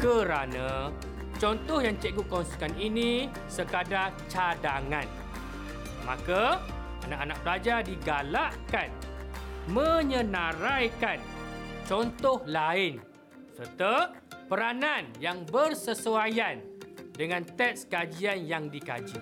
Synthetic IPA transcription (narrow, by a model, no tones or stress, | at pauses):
kəɾanã | t͡ʃɔnt̪ɔhjaŋt͡ʃɛɡuʔkːɔnsi̥kaninĩ | səkada | t͡ʃadaŋãn | mã̰ka | anakanak̚bəɾad͡ʒadiɡalaʔkan | mə̃ɲə̃nãɾajkant͡ʃɔnt̪ɔhlaɪn | sərt̪ə | pəɾananjaŋbərsəsuajandəŋãnt̪ɛt̪skad͡ʒianjaŋdika̰d͡ʒḭ